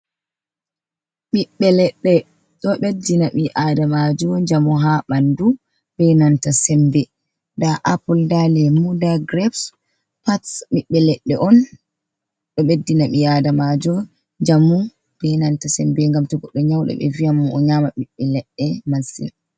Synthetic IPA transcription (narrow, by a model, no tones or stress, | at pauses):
ɓiɓːɛlɛɗːɛ | ɗɔɓedːinaɓiʔadamad͡ʒɔɲd͡ʒamuɦaɓandu | b̥ɛjnantasɛmbɛ | ndaʔapɔldalɛmudaɡɾɛbs | patsɓiɓːɛlɛɗːɛʔɔn | ɗɔɓedːinaɓiadamad͡ʒɔ | ɲd͡ʒamu | b̥ɛjnantasɛmbɛŋɡamtɔɡɔɗːɔɲawɗɛ̰ɓɛ̰vijamɔɔɲamaɓiɓːɛlɛɗːɛmasḭn